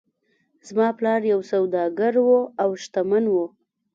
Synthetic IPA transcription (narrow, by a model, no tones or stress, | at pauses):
z̥mɑplɑɾjawsawd̪ɑɡaɾwoawʃt̪amanwo